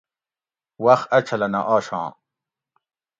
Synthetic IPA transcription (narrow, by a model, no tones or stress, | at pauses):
wɐxɐt͡ɕʰɐlɐnɐ̰ʔaːɕã̰ː